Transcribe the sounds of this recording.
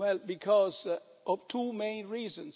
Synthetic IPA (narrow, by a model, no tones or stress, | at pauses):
ɛlbikʰɔz | ʔʌv̥tʰumẽɪ̃nɹizə̃ns